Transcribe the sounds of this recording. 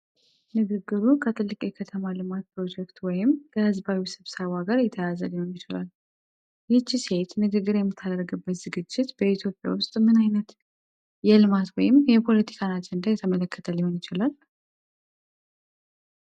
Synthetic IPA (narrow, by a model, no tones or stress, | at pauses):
nɨɡɨɡːɨɾukʰət̪ʰɨlːɨkʼjɛkʰət̪ʰəmalɨmat̪̚pʰɾo̞d͡ʒɛk̚t̪wɔjɪmkʰəhɨzbawisɨβsəβaɡaɾjɛt̪ʰːəjazəliho̞njɪt͡ʃɪla̰l | jɛt͡ʃːise̞t̪nɨɡɨɡːɨɾjɛmːɨt̪ʰːad̪əɾɡɨbːət̪z̥ɨɡɨd͡ʒːɪt̪b̥əit̪ʰjo̞pʼja̰wʊst̪ʼmɨnajnət̪ | jɛlɨmat̪wɔjɪmjɛpʰo̞lət̪ʰi̥kʰanad͡ʒɛnd̪ajɛt̪ʰəmələkːə̥t̪ʰəlɪho̞njɪt͡ʃɪlal